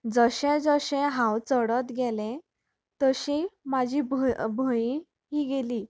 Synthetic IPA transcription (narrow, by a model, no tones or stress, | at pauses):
d͡zəɕẽd͡zəɕẽɦãwt͡səɽət̪ɡɛlẽ | t̪əɕẽmad͡ʑʱibbʱəjĩ | ɦiːɡeliː